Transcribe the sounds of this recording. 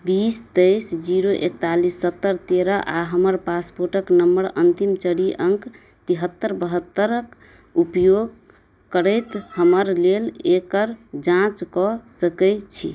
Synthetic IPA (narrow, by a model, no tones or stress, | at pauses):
bist̪əjsd͡ʒiɾoʔek̚t̪alisːət̪ːəɾt̪eɾəʔaɦəməɾpaspoɾʈəknəmbəɾə̰nt̪imt͡ʃəɽiʔəŋk | t̪iɦət̪ːəɾbəɦət̪ːəɾək | upjoɡ̚ | kəɾəjt̪həməɾlelekəɾd͡ʒãt͡ʃkɔsəkəɪt̪t͡ʃʰi